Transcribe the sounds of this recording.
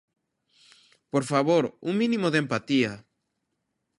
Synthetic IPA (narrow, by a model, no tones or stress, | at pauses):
poɾfaβoɾuŋmĩnĩmoðempat̪ia